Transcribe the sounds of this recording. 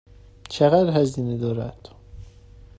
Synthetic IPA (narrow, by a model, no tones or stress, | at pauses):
t͡ʃʰeɣæd̪ɦæziːned̪ɒːɾæ̰d̪̥